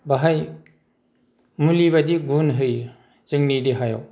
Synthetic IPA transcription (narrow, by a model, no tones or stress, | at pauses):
baɦaj | mulibɐdiɡunɦɯj | zɯŋnidiɦaja̰w